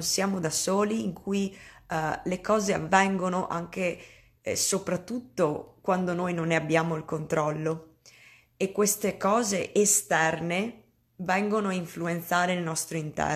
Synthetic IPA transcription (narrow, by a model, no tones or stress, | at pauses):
nsjaːmod̪asoːliːŋkʰuj | lekɔːzea̰vːɛŋɡonoʔa̰ŋkḛ | sopɾat̪ːut̪ːokwand̪onoːjnonːeabːjaːmoilkont̪ɾɔlːo | ekːwest̪ekɔːzeʔest̪ɛrne | vɛŋɡonoaiɱfluent̪saːɾeilnɔst̪ɾoint̪ɛ̰